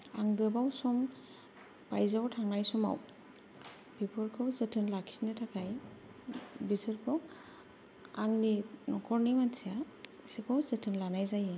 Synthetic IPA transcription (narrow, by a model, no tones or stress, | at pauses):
a̰ŋɡɯbawsɔm | b̥ajzawtʰaŋnajsɔma̰w | pipʰɔɾkʰɔwzɯtʰɯnlaksinɯtʰakʰaj | bisɯɾkʰɔ | aŋninɔkʰɔɾnimansʰija | sikʰɔwzɯtʰɯnlanajzaje